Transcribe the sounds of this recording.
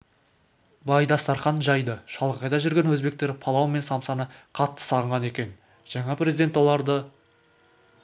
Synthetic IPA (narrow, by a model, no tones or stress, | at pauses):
bɑjd̪ɑst̪ɑɾχɑnʒɑjd̪əʃɑlˠəqɑjd̪ɑʒʏɾɡʲe̞nwɵzbe̞k̚t̪e̞ɾpʰɑlˠɑwəme̞nsɑmsɑnəqʰɑt̪ːə̥sɑʁəɴʁɑne̞kʲe̞n | ʒ̥ɑɴɑprezid̪e̞nt̪wo̞lˠɑɾd̪ə